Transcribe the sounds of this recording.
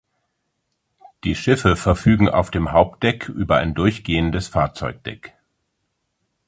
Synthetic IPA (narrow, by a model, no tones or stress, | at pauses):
d̥iːʃɪfəfɛɐfyːɡŋ̩ʔa̰ʊfd̥eːmɦaʊp̚t̚d̥ɛkʰʔy̰ːbɐa̰ɪndʊɐçɡ̥eːəndəsfaːɐt͡sɔʏk̚d̥ɛ̰k